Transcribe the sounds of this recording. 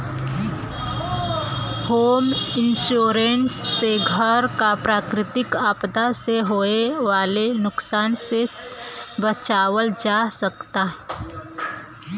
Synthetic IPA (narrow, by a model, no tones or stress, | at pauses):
hoːmɪnʃuːɾensːeɡʱəɾkapɾaːkɾɪt̪ɪkaːpd̪aseɦoːeʋaːlenʊksaːnse | bət͡ʃaːʋəld͡ʒaːsəkt̪aɦɛ